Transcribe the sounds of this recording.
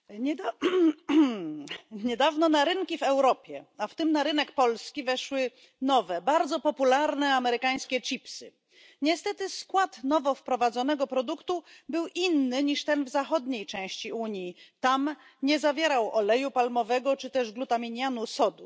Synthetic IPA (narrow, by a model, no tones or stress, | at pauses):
ɲɛd̪a | ɲɛd̪avnɔnaɾɘŋkʲivɛwɾɔpʲjɛaft̪ɘmnaɾɘnɛkpɔlskʲivɛʂwɘ | nɔvɛbaɾd̪zɔpɔpulaɾnɛamɛɾɘkaj̃skʲɛt͡ʂipsɘ̰ | ɲɛst̪ɛt̪ɘskwat̪nɔvɔfpɾɔvad̪zɔnɛɡɔpɾɔd̪ukt̪ubɘwʔinːɘɲiʂt̪ɛnvzaxɔd̪ɲejt͡ʂɛ̃w̃ɕt͡ɕiuɲjit̪am | ɲɛzavʲjɛɾawʔɔlɛjupalmɔvɛɡɔt͡ʂɘt̪ɛʐɡlut̪amʲiɲjanusɔd̪u